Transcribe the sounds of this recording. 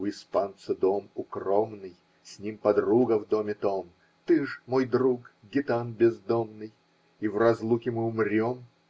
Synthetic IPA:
ʊɪspant̪sɨd̪o̞mʊkromnɨj | sʲnʲimpɐd̪ruɡəvd̪o̞mʲɪt̪om | t̪ɨʐmo̞jd̪ɾukɡʲɪt̪anbʲɪzd̪omnɨj | ivrɐzlˠukʲɪmɨʊmrʲo̞m

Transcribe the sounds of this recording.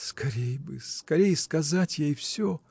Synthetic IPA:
skɐɾʲejbɨ̰skɐɾʲejəskɐzatʲjejfsʲo

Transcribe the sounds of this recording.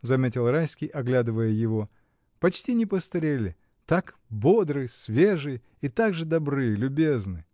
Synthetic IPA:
zɐmʲetʲɪlˠrajsʲkʲijɐɡlʲad̪ɨvəjəjɪvo̞ | pɐt͡ɕtʲinʲɪpəst̪ɐɾʲelʲɪ̰ | t̪ak | bo̞d̪ɾɨsʲvʲeʐɨj | it̪aɡʐɨd̪ɐbɾɨjəlʲʊbʲe̞znɨ

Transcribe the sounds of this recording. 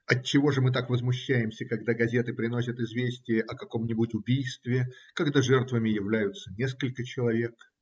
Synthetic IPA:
ɐt̚t͡ɕːɪvo̞ʐɨmɨt̪̬akvəzmʊɕːæjɪmsʲəkɐɡd̪aɡɐzʲe̞t̪ɨpɾʲɪno̞sʲət̪ɪzvʲesʲtʲɪjəʔɐkɐko̞mnʲɪbutʲʊbʲijst̪vʲɪkɐɡd̪aʐɛrt̪vəmʲɪjɪvlʲæjʊt̪sənʲe̞skəlʲkət͡ɕɪlˠɐvʲe̞k

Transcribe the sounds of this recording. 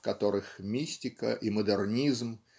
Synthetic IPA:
kɐt̪oɾɨxmʲisʲtʲɪkə̰ʔiməd̪ɛrnʲizm

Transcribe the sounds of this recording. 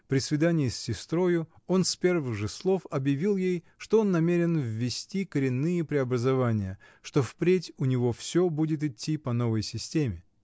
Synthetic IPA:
pɾʲɪsvʲɪd̪anʲɪjɪsʲːɪst̪ɾo̞jʊ | o̞nspʲe̞rvɨɣʐɨslˠo̞fɐbjɪvʲilˠjej | ʂt̪o̞o̞nːɐmʲeɾʲɪnvːʲɪsʲtʲikəɾʲɪnːɨjəpɾʲɪɐbɾəzɐvanʲɪjə | ʂt̪o̞fpɾʲetʲʊnʲɪvo̞fsʲobudʲɪt̪̬ɪtʲːipɐno̞vəjsʲɪsʲtʲemʲɪ

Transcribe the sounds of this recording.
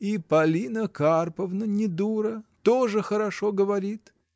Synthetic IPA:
ipɐlʲinəkarpəvnənʲɪd̪uɾət̪oʐɨxəɾɐʂoɡəvɐɾʲit̪

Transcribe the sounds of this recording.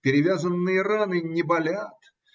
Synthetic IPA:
pʲɪɾʲɪvʲazənːɨjəranɨnʲɪbɐlʲat̪

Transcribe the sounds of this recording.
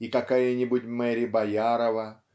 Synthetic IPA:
ikakajənʲibutʲmɛɾʲɪbajaɾɐvɐ

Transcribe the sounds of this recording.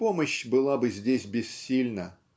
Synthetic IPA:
po̞məɕbɨlˠabɨzʲdʲesʲbʲɪsːʲilʲnə

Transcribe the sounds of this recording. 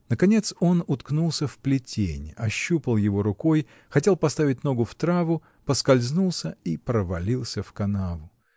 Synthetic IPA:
nəkɐnʲe̞t̪so̞nʊt̪knulˠsʲəfplʲɪtʲḛnʲɐɕːupəlˠjɪvo̞ɾʊkoj | xɐtʲe̞lˠpɐst̪avʲɪt̚ʲno̞ɡʊft̪ɾavʊ | pəskɐlʲznulˠsʲəipɾəvɐlʲilˠsʲəfkɐnavʊ

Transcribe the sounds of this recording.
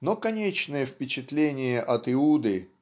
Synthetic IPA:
nokɐnʲet͡ɕnəjəfpʲɪt͡ɕɪt̪lʲenʲɪjəʔɐt̪ɪud̪ɨ

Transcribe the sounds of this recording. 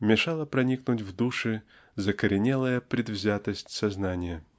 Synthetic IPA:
mʲɪʂalˠəpɾɐnʲiknʊtʲvd̪uʂɨ | zəkəɾʲɪnʲelˠəjəpɾʲɪd̪vzʲat̪əsʲtʲsɐznanʲɪjə

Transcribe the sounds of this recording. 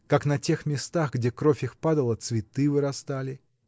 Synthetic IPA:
kaknɐtʲe̞xmʲɪst̪aɣɡdʲekɾofʲixpad̪əlˠət̪svʲɪt̪ɨvɨɾɐst̪alʲɪ

